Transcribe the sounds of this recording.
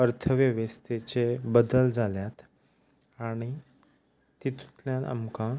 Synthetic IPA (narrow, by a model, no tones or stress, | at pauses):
əɾt̪ʰəʋjəʋest̪et͡sebəd̪əld͡zʱaljat̪ | aɽ̃i | t̪it̪ʰu̥t̪ljãna̰mkã